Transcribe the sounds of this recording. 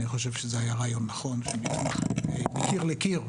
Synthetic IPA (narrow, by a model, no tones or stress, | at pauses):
niχo̞ʃ̬evʃezeajaʁaːjo̞nːaχo̞nʃemitmaχemekiʁlekiʁ